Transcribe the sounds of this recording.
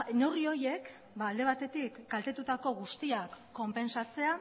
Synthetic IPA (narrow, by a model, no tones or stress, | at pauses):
no̞rio̞je̞k | baːld̪e̞β̞at̪e̞t̪ikɡalt̪e̞t̪ut̪ako̞ɣust̪iakːo̞mpe̞nsat͡se̞a